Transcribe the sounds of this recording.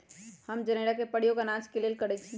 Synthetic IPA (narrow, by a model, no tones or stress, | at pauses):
həmd͡ʒəneːɽakepəɽ̤ijoɡanãt͡ʃkelelkəɽɛt͡ʃʰi